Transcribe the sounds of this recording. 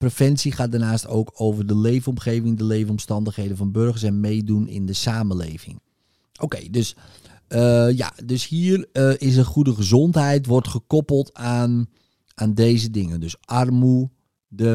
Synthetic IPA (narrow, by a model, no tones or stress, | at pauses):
profɛnsiχaːt̚dəɹnaːsto̰ːkʰoːvərdəleːvənɔmχeːvɪŋdəlejvənɔmstɑndəχɦejdənvɔnbørɣəɹsɛnmejdunɪ̰ndəsaːməlḛːvɪ̰ŋ | owkejdøs | əja̰døshiːərəɪs̬əχudəχəzɔntɦɛjtʋɔrtχəkɔpəlˠtan | aːndeːzədɪŋəndøsɑrmu | də